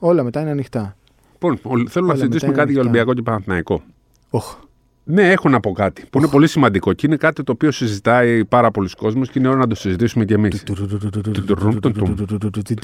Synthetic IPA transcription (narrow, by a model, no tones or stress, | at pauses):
o̞lɐmet̪ɐineɐnixt̪ɐ | lipo̞nolθelunɐssizit̪isumekɐt̪iʝɐolimbiɐko̞ce̞pɐnɐnθinɐiko̞ | ox | ne̞exonɐpo̞kɐt̪i̥puine̞po̞lisimɐnd̪iko̞ceine̞kɐt̪it̪oːpio̞sizit̪ɐipɐɾɐpo̞lusko̞zmosceineoɾonɐd̪o̞sizit̪isume̞ce̞miss | et̪uut̪ou